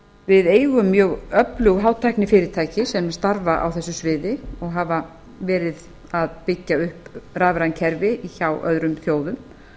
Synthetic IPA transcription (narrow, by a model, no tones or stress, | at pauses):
vɪðeːjɣʏmːjœːɣœplʏɣɦaːwt̪ʰajknɪfɪːɾɪɾ̥t̪ʰaːjcɪsɛmst̪aɾvaʔa̰wθɛsːʏsvɪːðɪɔɣɦava | vɛːɾɪð | aðpɪcːaʏhpraːvɾancʰɛɾvɪiçawʔœ̰ðɾʏmθjoːwðʏm